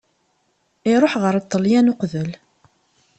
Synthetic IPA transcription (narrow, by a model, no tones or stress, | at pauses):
iɾˤoħʁəɾət̪ˤːəljænʊqðəl